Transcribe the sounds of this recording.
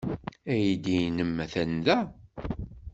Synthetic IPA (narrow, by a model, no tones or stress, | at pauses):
æjid̪inəmːæθænðæ